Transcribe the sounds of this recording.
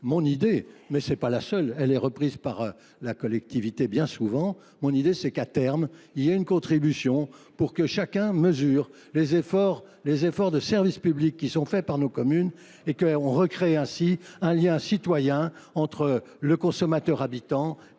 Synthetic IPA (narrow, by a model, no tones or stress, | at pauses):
mɔ̃nid̪emɛsɛpalasœlɛlɛʁəpχiːzpaʁ | lakɔlɛkt̪ivit̪ebjɛ̃suvɑ̃ | mɔ̃nid̪esɛkat̪ɛʁmilieynkɔ̃t̪χibysjɔ̃puʁkəʃakʲɛ̃məzyːʁ | lezefɔːʁ | lezefɔʁd̪əsɛʁvispyblikːisɔ̃fɛpaʁnokɔmyn | ekəɔ̃ʁəkχeɛ̃siɛ̃ljɛ̃sit̪wajɛ̃ɑ̃t̪χələkɔ̃sɔmat̪œʁabit̪ɑ̃